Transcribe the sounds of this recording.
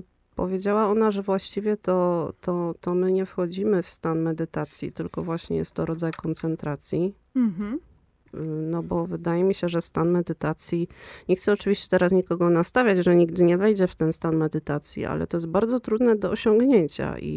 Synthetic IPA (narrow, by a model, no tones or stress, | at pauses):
pɔ̰vʲjed͡ʑawaɔn̪aʐɛvwaɕt͡ɕivʲjɛt̪ɔt̪ʰɔt̪ɔmɘɲɛfxɔd͡ʑimɘfst̪anmɛd̪ɘt̪at̪sʲjḭt̪ɘlkɔvwaɕɲɛ̰jɛ̰st̪ːɔɾɔd̪zajkɔnt̪sɛnt̪ɾat̪sʲji | nɔbɔvɘd̪ajɛmʲiɕɛʐɛst̪anmɛd̪ɘt̪at̪sʲjiɲɛxt̪sɛɔt͡ʂɘvʲiɕt͡ɕɛ̥t̪ɛɾasɲikɔɡɔnast̪avʲjad͡ʑʐɛɲiɡ̚d̪ɘɲɛvɛjd͡ʑɛft̪ɛnst̪anmɛd̪ɘt̪at̪sʲjḭʔa̰lɛ̰t̪ɔjɛst̪̚baɾd̪zɔt̪ɾud̪nɛd̪ɔɔɕɔŋɡɲeɲt͡ɕa̰ʔḭ